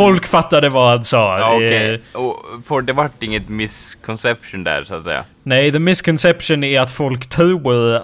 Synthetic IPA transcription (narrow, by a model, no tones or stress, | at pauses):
fɔlkfat̪ːad̪əvahansɑːɛɔfɔɖ̪ɛvaʈːɪŋːət̪mɪskʰɔnsɛpʂʊnd̪æ̰ɾsʊat̪sɛ̰jːa̰ | nɛɪðəmɪskʰɔnsɛpʂənæɾat̪fɔlkt̪ʰʉə